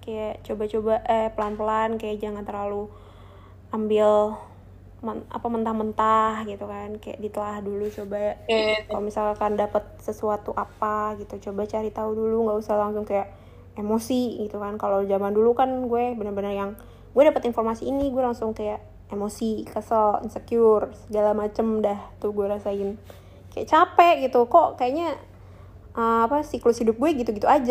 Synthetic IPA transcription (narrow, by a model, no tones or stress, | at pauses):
kajaʔt͡ʃobat͡ʃobaʔəpəlanpəlankajaʔd͡ʒaŋɡant̪ərlalu | ʔambɪl | məa̰pamənt̪ahmənt̪ahɡit̪ukankaja̰ʔdit̪əlahdulut͡ʃobajaʔəkalomisalakandapət̪̚səsuat̪uʔapaɡit̪ut͡ʃobat͡ʃaɾit̪auduluŋɡaʔusahlaŋsʊŋkajaʔ | emosiɡit̪ukankalowd͡ʒamandulukanɡuɛbənərbənərjaŋ | ɡuɛdapət̪infɔrmasiːniɡuɛlaŋsʊŋkajaʔ | emosikəsəlḭnsəkjʊrsəɡalamat͡ʃəmdaht̪uhɡuɛɾasaɪn | kaja̰ʔt͡ʃapɛʔɡit̪ukɔʔkajaʔɲa | ʔəapasiklʊshidʊp̚ɡuɛɡit̪uɡit̪uad͡ʒa